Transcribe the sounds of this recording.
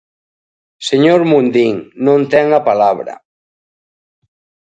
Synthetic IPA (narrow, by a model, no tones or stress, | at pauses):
seɲoɾmund̪iŋnõnt̪ɛŋapalaβɾa̰